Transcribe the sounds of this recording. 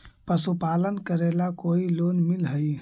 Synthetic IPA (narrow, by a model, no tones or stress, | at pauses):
pəsupalənkəɾelakoilonmilɦəj